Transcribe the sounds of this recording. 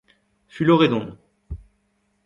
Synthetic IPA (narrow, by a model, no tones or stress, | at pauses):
fyloʁed̪ɔ̃